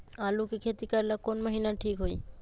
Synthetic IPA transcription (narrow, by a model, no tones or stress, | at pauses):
aːlukekʰet̪ikəɾlakonməɦinaʈʰiːkɦoiː